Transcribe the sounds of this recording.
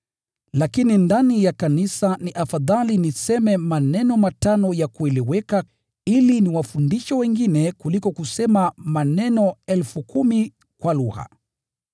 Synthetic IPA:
lakinindanijakanisaniʔafaðalinisɛmɛmanɛnɔmatanɔjakuɛlɛwɛka | iliniwafundiʃɔwɛŋɡinɛkulikɔkusɛmamanɛnɔɛlfukumi | kwaluɣa̰

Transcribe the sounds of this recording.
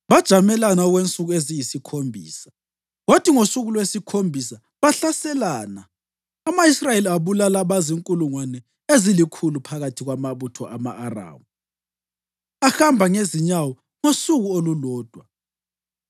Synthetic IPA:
βad̥ʒ̥ʱamɛlanaɔɣwent͡sʼuɣuezijisikʰombʱḭːsḁ | wotʰʼiŋosuɣulwesikʰombʱisa | βaɬasɛlaːna | amaisrajeliaβulalaβaziŋkʼuluŋwanɛ | ezilikʰulupʰaɣatʰiɣwamaβutʰɔʔamaʔara̰ːmu | axambʱaŋeziɲawɔ | ŋosuɣuolulɔːd̥ʱwa

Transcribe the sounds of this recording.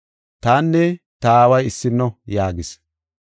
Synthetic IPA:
t̪aːnːɛ | t̪ɐːwɐjɪsːɪnːɔjaːɡɪs

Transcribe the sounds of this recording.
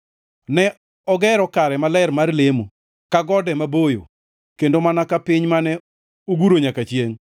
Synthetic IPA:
nɛ | ɔɡɛɾɔkaɾɛmalɛrmarlemo | kaɡɔdɛmabojo̰ | kendomanakapɪɲmanɛ | oɡuɾoɲakat͡ʃjeŋ

